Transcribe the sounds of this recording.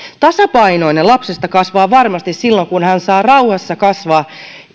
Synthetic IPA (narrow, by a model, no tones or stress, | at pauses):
t̪ɑsɑpɑino̞inelɑpsest̪ɑkɑsʋɑːʋɑrmɑst̪issilːoŋkunhænsɑːrɑuhɑsːɑkɑsʋɑː